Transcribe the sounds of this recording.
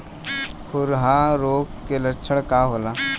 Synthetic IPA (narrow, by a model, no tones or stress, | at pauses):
xʰʊɾɦaɾoːɡkelət͡ʃʰəɽ̃kaɦoːlaː